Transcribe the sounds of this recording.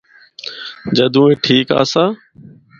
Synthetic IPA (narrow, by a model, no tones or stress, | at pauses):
d͡ʒəd̪ʱũːeːʈʰiːka̰ːsaː